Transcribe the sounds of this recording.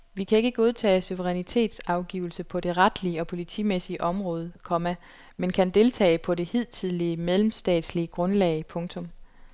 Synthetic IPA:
ʋikʰæe̝ɡ̥əɡ̥o̝ð̞ˠt͡sʰɛ̰ːɪsuʋəʁɛnit͡sʰe̝̰ːd̥sɑ̈ʊɡ̥iːʊl̩səpʰɒ̽d̥e̝ʁad̥liəɒ̽pʰo̝lit͡sʰḭːmesiəʔɒ̽mʁɔ̽ːð̞ˠkʰɒ̽mæ | menkʰænd̥e̝lt͡sʰɛ̰ːɪpʰɒ̽d̥e̝hið̞̰ˠt͡sʰið̞ˠliəmeðlemsd̥ɛ̰ːd̥sliəɡ̥ʁɔ̽nlɛ̰ːɪpʰɔ̽ŋt͡sʰɔ̽m

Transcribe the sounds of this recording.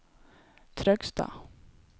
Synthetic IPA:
t̪ʰɾœkst̪a̰

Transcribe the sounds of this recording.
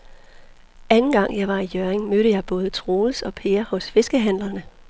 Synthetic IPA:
ʔænn̩ɡ̥ɑ̈ŋ̰jɑ̈ɪʋɑ̈ijøɐeŋmøɾəjɑ̈ɪb̥ɔ̽ːð̞̩ˠət͡sʰʁoːlsɒ̽pʰe̝ːɐhɔ̽sfe̝sɡ̥əɦæn̰lɐnə

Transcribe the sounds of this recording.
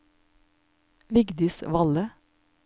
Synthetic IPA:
ʋɪɡd̪ɪsʋɑlə

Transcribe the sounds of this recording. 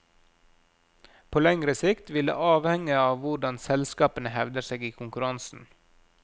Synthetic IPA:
pʰoːlɛŋɾəsɪkt̪ʋɪlə̰ʔɑːʋhɛŋəɑːʋʋʊɖɑnsɛlskɑːpənəhɛʋd̪əseːɡiːkʰʊŋkʉɾɑnsn̩

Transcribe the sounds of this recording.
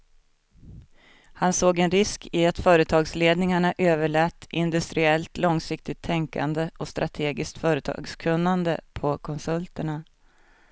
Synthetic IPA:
hansoːɡɛnɾɪskɪat̪fœːɾət̪ʰɑːɡsleːd̪nɪŋaɳaʔøːvəɭɛːt̪ːʔɪnd̪ɵst̪ɾɪɛlt̪lɔŋsɪkt̪ɪt̪ʰːɛŋka̰nd̪əʔɔst̪ɾʔat̪ʰeːɡɪskt̪fœːɾət̪ʰɑ̰ːɡskʰɵnːand̪ə̰pʰɔkʰɔnsɵlt̪əɳa

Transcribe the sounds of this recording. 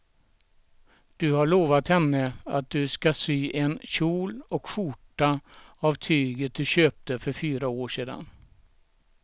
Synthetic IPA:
d̪̥ɵhaɭoːvat̪hɛnːəat̪̚d̪ɵskasyːʔɛnɕuːlɔkɧʊʈːaavt̪ʰyːɡət̪̚d̪ɵɕøːp̚t̪əfœɾfyːɾaoːʂeːd̪a̰n

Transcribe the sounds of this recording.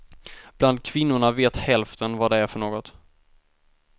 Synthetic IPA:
b̥land̪̚kʰvɪnːʊɳaveːt̪hɛlft̪ənvaɖ̪ɛæɾfœɳoːɡɔt̪

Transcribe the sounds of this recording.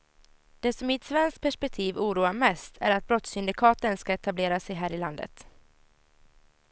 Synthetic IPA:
d̪̥ɛsɔmːɪt̪svɛnsk̚pʰæʂpɛk̚t̪ʰiːvuːɾuːaɾmɛst̪ʰæ̰ɾat̪̚bɾɔt̪sʏnd̪ɪkʰɑːt̪ənskaɛt̪ableːɾasɛjɦæːɾɪland̪ə̰t̪

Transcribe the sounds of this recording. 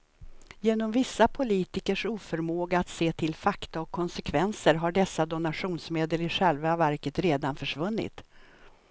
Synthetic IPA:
jeːnɔmvɪsːapʰʊliːt̪ɪkəʂuːfœɾmoːɡaat̪seːt̪ʰɪlfakt̪aɔkʰːɔnsɛkʰvɛnsəɾɦaɖɛsːad̪ɔnaɧuːnsmeːd̪əlɪɧɛlvavæɾkət̪ɾeːd̪anfœʂvɵnːɪ̰t̪

